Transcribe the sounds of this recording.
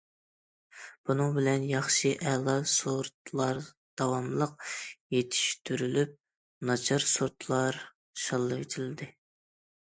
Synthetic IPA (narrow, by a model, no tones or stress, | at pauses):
b̥unɨŋbɪlɛnjɑχʃɨʔɛlˠɑsoɾt̪lˠɑɾ | d̪̥ɑwɑmlˠəq̚jet̪ʰi̥ʃt̪ʰyɾylyp̚ | nɑt͡ʃʰɑɾsoɾt̪lˠɑɾ | ʃɑlˠːɨwet̪ʰɪlɪd̪ɪ